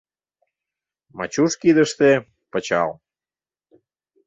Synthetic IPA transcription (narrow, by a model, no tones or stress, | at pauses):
mɑ̰t͡ɕuʃkid̪əʃt̪e | pət͡ɕɑ̰l